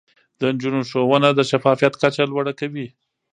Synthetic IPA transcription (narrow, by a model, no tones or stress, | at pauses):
d̪ənd͡ʒunoʃowənad̪əʃafɑfijat̪kat͡ʃalwaɽakawi